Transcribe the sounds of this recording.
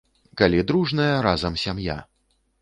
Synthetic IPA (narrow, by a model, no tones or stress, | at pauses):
kalʲid̪ɾuʐnɐjɐɾazɐmsʲamja̰